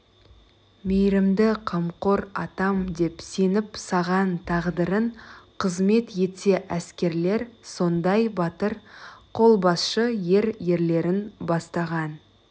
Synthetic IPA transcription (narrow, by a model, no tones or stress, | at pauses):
mejɾɪmd̪ɪqʰɑmqo̞ɾɑ̰t̪ɑmd̪e̞pse̞nɪpsɑʁɑnt̪ʰɑʁd̪əɾəɴqʰəzme̞t̪je̞t̪se̞ʔæskʲe̞ɾle̞ɾso̞nd̪ɑjbɑt̪əɾqʰo̞lˠbɑsʃəje̞ɾje̞ɾle̞ɾɪnbɑst̪ɑʁɑn